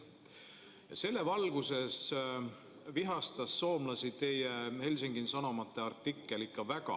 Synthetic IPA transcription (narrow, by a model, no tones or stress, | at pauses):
jɑ̰se̞lːe̞vɑlɡ̥use̞s | viɦɑst̪ɑsːo̞ːmlɑsit̪e̞jehe̞lʲsiŋɡ̥insɑnomɑt̪ːˑe̞ɑrt̪ːˑikːˑe̞likːɑvæɡ̥ɑ̰